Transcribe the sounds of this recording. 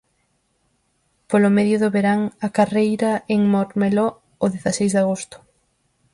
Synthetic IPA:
polʊmeðjʊðʊβeɾaŋakarejɾɐeŋmoɾmeloː | ðeθasejzðaɣ̞ost̪ʊ̥

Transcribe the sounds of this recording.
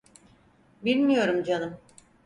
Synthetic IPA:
bilʲmijo̞ɾumd͡ʒanɯm

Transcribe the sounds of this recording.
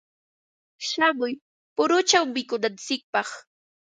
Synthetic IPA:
ʃamʊj | pʊɾʊt͡ʃawmɪkʊnant͡sɪk̚pɑχ

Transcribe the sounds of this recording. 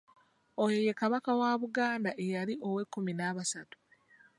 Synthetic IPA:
ojo̞je̞kaβakawaːβuɡaːndaʔejaliʔo̞we̞kːuminaːβasatu̥

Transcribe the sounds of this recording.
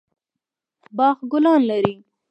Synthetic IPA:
bɑxɡʊlɑnlaɾi

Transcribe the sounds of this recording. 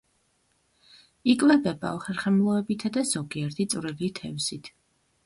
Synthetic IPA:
ikʼvɛbɛba̰ɔχɛɾχɛmlˠɔɛbit̪ʰad̪az̥ɔɡiɛɾt̪ʰit̪sʼvɾilit̪ʰɛvsit̪ʰ

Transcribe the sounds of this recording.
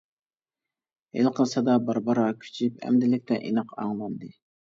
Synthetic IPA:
ḛlˠqʰəlˠsɑd̪ɑbɑɾbɑɾɑkʲʰy̥t͡ʃʰypɛ̰md̪ɪlɪk̚ʲt̪ʰɛʔinɑqʰɑ̰ŋlˠɑnd̪ɨ

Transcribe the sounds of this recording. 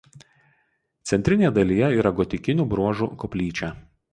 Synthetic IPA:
t̪sʲɛnʲt̪ʲɾʲɪnʲejɛd̪ɐlʲijɛiːɾɐɡɔt̪ʲɪkʲɪnʲuːbɾuɔʒṵkɔpʲlʲiːt͡ʃʲæːˑ

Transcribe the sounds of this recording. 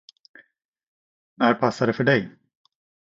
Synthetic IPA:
næɾpʰasːaɖ̪ɛfœɖɛj

